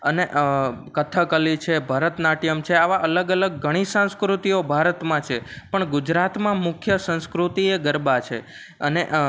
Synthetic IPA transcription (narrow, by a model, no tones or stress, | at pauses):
əneʔkət̪ʰəkəlit͡ʃʰebʱaɾət̪naʈjəmt͡ʃʰeaʋaʔələɡələɡːʱəɽ̃isãñskɾut̪iobʱaɾət̪mãt͡ʃʰepəɳɡʊd͡ʒɾat̪mãmʊkʰjəsə̃ñskɾut̪ieɡəɾbat͡ʃʰḛ | ə̰neʔ